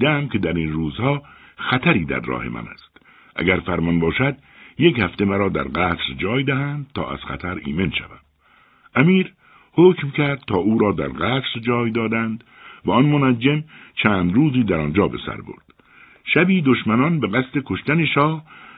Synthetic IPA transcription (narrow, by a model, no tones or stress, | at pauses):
d̪eæmkʰʲe̞d̪æɾiːnruːzhɒːxæt̪ʰæɾiːd̪æ̰ɾːɒ̰ːhe̞̰mʔæ̰næ̰st̪ | ʔæ̰ɡæɾfæɾmɒnbɒːʃæd̪̚ | je̞khæft̪e̞mæɾɒːd̪æ̰ɾɢæːt̪ɾd͡ʒɒːjd̪æɦænd̪̚t̪ʰɒ̰ːʔæ̰z̥xæ̰t̪ʰæɾḭːmenʃæ̰væm | æmiːɾ | hokmcʲʰæɾd̪̥̚t̪ʰɒːʔuːɾɒːd̪æ̰ɾɢæːt̪ɾd͡ʒɒːjd̪ɒːd̪ænd̪ | væɒnmonæd͡ʒːemt͡ʃʰæːnd̪ɾuːziːd̪æɾɒnd͡ʒɒːbḛsæ̰ɾbo̰ɾd̪̥ | ʃæbiːd̪oʃmænɒnbe̞ɣæst̪e̞kʰo̞ʃt̪æne̞ʃɒːh